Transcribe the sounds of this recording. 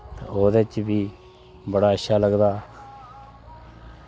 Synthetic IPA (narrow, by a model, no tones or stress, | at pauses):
t̪ḛ̃ːoːd̪eːt͡ʃbiː | bəɽaːəʃʃʰaːləɡd̪aː